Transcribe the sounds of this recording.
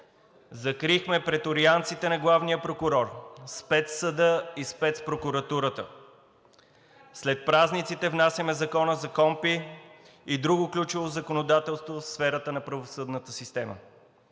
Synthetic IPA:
zɐkɾixmɛpɾɛt̪oɾiant̪sit̪ɛnɐɡlˠavnijəpɾokʊɾɔɾspɛt̪səd̪əispɛt̪spɾokʊɾɐt̪uɾət̪ə | slɛt̪̚pɾaznit̪sit̪ɛvnasjəmɛzɐkɔnəzɐkɔmpi | id̪ɾuɡoklʲut͡ʃɛvozɐkonod̪at̪ɛlˠst̪vofsfɛɾət̪ənɐpɾɐvosɤd̪nət̪əsist̪ɛmə̰

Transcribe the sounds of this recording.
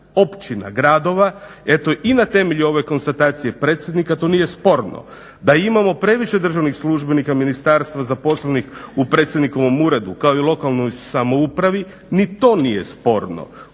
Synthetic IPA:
o̞pt͡ʃina̰ɡɾaːd̪o̞ʋa | e̞t̪o̞ʔinat̪e̞me̞ʎuo̞ʋe̞ko̞nst̪at̪aːt̪sije̞pɾet̪sje̞d̪nikat̪o̞nijespo̞ɾno̰ | d̪aimamo̞pɾe̞ʋiʃe̞d̪r̩ʒaʋnixslˠuʒbe̞nikaminist̪aɾst̪ʋazapo̞slenixupɾe̞t̪sʲjed̪nikoʋo̞muɾe̞d̪ukaoilˠo̞kalno̞jsamo̞upɾaʋi | nit̪o̞nije̞spo̞ɾno̰

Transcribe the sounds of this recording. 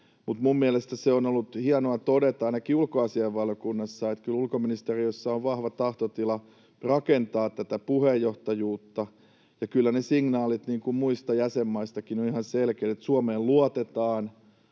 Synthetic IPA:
mut̪mumːiælest̪æseonolːut̪hiɑnoɑt̪odet̪ɑɑinɑkiulkoɑsieʋʋɑljokunːɑsːɑet̪kylulkominist̪eriøsːɑoʋʋɑhʋɑt̪ɑht̪ot̪ilɑ | rɑkent̪ɑːt̪t̪ːæt̪æpuhejːoht̪ɑjuːt̪ːɑ | jɑkylːænesiŋnɑːlit̪niːŋkummuist̪ɑjæsemːɑist̪ɑkinonihɑnselkeːt̪et̪suomeːlluɑt̪et̪ɑːn

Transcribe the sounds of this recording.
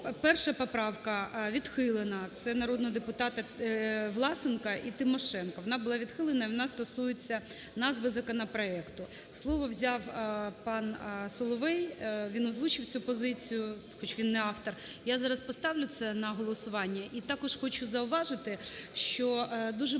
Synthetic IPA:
pɛrʃɐpɔpɾɑwkɐʋʲid̪xɪlˠɪnɐt̪sɛnɐɾɔd̪nɔɦɔd̪epʊt̪ɑt̪ɐʋlˠɑsɪnkɐʔit̪ɪmɔʃɛnkɐʋɔnɑbʊlˠɑʋʲid̪xɪlˠenɐiʋɔnɑst̪ɔsujʊt͡sʲːɐ | nɑzʋɪzɐkɔnɐpɾɔɛkt̪ʊ | slˠɔʋɔwzʲɑwpɑnsɔlˠɔʋɛjʋʲinɔzʋut͡ʃɪwt͡sʲupɔzɪt͡sʲijʊxɔt͡ʃʋʲinːɛɑft̪ɔrjazɑɾɐspɔst̪ɑwlʲʊt̪sɛnɐɦɔlˠɔsʊʋɑnʲːɐʔit̪ɑkɔʒxɔt͡ʃʊzɐʊʋɑʒɪt̪ɪʃt͡ʃɔd̪uʒɛ

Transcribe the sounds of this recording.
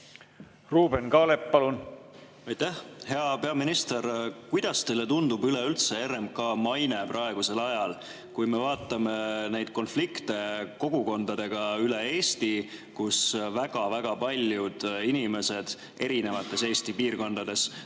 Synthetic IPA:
ruːbenkɑːlepːɑlun | ɑjt̪æhhe̞ɑpe̞ɑminist̪e̞ɾkujd̪̥ɑst̪e̞jle̞t̪und̪ubyleylt̪se̞eɾemkɑmɑjne̞prʔɑe̞ɡ̥use̞lɑjɑl | kujme̞vɑːt̪ˑːɑme̞nejd̪̥̚ko̞nflikt̪e̞ko̞ɡ̥uko̞nd̪̥ɑd̪̥e̞ɡ̥ɑylee̞ːst̪ikusvæɡ̥ɑvæɡ̥ɑpɑlʲjud̪̥inime̞se̞d̪̥ | e̞ɾine̞vɑt̪ːˑe̞se̞ːst̪ipiːrko̞nd̪̥ɑd̪̥e̞s

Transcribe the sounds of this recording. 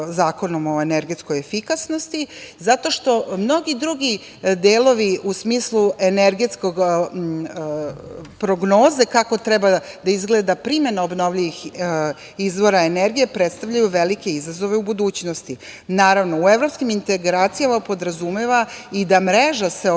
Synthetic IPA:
zaːko̞no̞mo̞eneɾɡe̞t̪sko̞je̞fikasno̞st̪izat̪o̞ʃt̪o̞mno̞ɡid̪ɾuɡi | d̪eːlo̞ʋiʔusmiːslˠue̞neɾɡe̞t̪sko̞ɡ | pɾo̞ɡno̞ːze̞kako̞t̪ɾebad̪aizɡleːd̪apɾime̞naobno̞ʋʎiʋix | izʋo̞ɾaeneɾɡijepɾet̪st̪avʎajuʋelike̞izazo̞ʋe̞ubud̪uːt͡ɕnost̪i | naːɾaʋno̞ueʋɾo̞pskimint̪eɡɾaːt̪sijamapo̞d̪ɾazumeʋaid̪amɾeʒase̞

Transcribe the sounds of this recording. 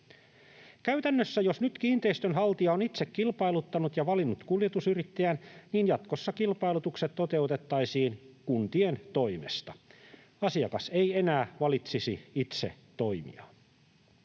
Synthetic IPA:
kæyt̪ænːøsːæjo̞snyt̪kiːnt̪eist̪ønhɑlt̪iɑonit̪sekːilpɑilut̪ːɑnut̪jɑʋɑlinːut̪kuljet̪usyrit̪ːeænniːnjɑt̪kosːɑkilpɑilut̪ukset̪t̪ːot̪e̞ut̪et̪ːɑisiːnkunt̪ient̪o̞imḛst̪ɑ̥ | ɑsiɑkɑse̞ienæːʋɑlit̪sisiit̪sḛ | t̪oimḭɑ

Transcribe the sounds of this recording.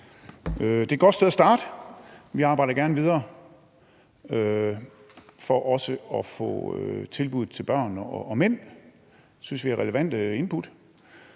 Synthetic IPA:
ød̥e̝æɡ̥ɒ̽d̥steð̞ˠɐsd̥ɑ̈ːd̥əʋiɑ̈ːb̥ɑ̈ɪɾɐɡ̥æɐnʋið̞ˠɐː | ø | fɒʔɒ̽səɒ̽fɔ̰̽øt͡sʰe̝lb̥uð̞̰ˠt͡sʰe̝lb̥ɶɐ̰nɒːmen̰ | synsʋiæʁɛləʋæn̰d̥əe̝npʰud̥

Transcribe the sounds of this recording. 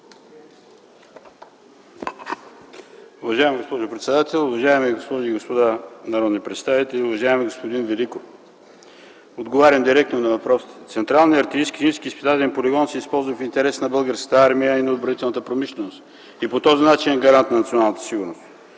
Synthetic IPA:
uvɐʒaɛmɛɡospɔʒʊpɾɛt̪sɛd̪at̪ɛlˠʊvɐʒaɛmɛɡospɔʒiːɡospod̪anɐɾɔd̪nipɾɛt̪st̪avit̪ɛliʊvɐʒaɛmɛɡospod̪invɛliko | od̪ɡovaɾʲɐmd̪iɾɛk̚t̪nonɐvɐpɾɔsi̥t̪ɛt̪sɛnt̪ɾalˠniɐɾt̪iiskizimskiːspid̪at̪ɛnpolʲiɡɔnsɛispɔlˠzvəfint̪ɛɾɛsnɐbəlˠɡəɾskət̪əaɾmijəinɐod̪bɾɐnit̪ɛlˠnət̪əpɾomiʃlʲɛnost̪ | ipot̪ɔzinat͡ʃinɡɐɾant̪nɐnɐt̪sionalˠnt̪ə̥siɡuɾnost̪

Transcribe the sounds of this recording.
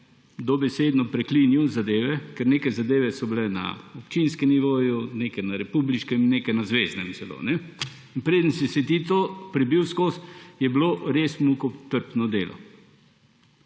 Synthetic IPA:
d̪ɔbɛseːd̪nɔpɾɛkliːnjiwzad̪eːʋɛkɛɾneːkajzad̪eːʋɛsɔbilɛna̰ɔpt͡ʃinskɛmniʋoːjunekɛnaɾɛpubliʃkɛmneːkajnazʋeːznɛmt̪sɛlo̰nɛ | inpɾeːd̪ənsisɛt̪it̪opɾibiwskoːsjɛbloɾeːsmukɔt̪əɾpnɔd̪eːlɔ̰

